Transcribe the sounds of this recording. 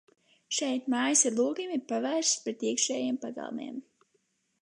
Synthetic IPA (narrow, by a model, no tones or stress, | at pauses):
ʃɛjt̪maːjisiɾlˠuːɡʲimʲipavæːʃpɾɛt̪iɛkʃɛːjempaɡa̰lˠmḛɛm